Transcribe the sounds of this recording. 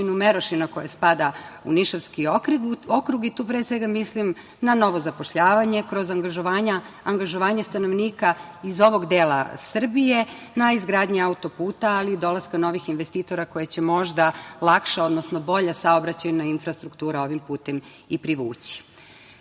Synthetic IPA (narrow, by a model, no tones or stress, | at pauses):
inumeɾoʃinako̞jaspad̪aṵniʃaʋskio̞kɾuɡit̪uːpɾeːsʋe̞ɡamislim | nano̞ʋo̞zapo̞ʃʎaːʋaɲe̞kɾo̞zaŋɡaʒoaːɲaː | ŋɡaʒoʋaːɲest̪anoʋniːkaizo̞ʋo̞ɡd̪eːla̰sr̩bije̞ | naizɡɾaːd̪ɲiaut̪o̞puːt̪aalid̪o̞laskano̞ʋixinʋe̞st̪iːt̪o̞ɾako̞jet͡ɕe̞mo̞ʒd̪alˠakʃao̞d̪nosno̞bo̞ʎasaobɾat͡ɕajunainfɾast̪ɾukt̪uːɾao̞ʋimpuːt̪em | ipɾiʋuːt͡ɕi̥